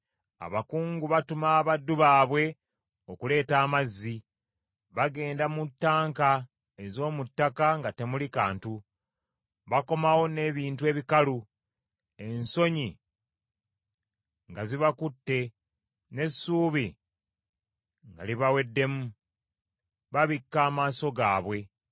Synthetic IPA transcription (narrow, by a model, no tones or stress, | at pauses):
a̰βakuːŋɡuβatumaβadːuβaːβwe̞ | o̞kule̞ːtaːmazːi | βaɡe̞ːndamutːaːŋka | e̞zo̞ːmutːakaŋɡate̞mulikaːntu | βako̞mawo̞ne̞βiːntue̞ːβikalu | e̞nso̞ɲi | ŋɡaziβakutːe̞ | ne̞suːβi | ŋɡa̰liβawe̞dːe̞mu | βaβikːaːmaːso̞ɡaːβwe̞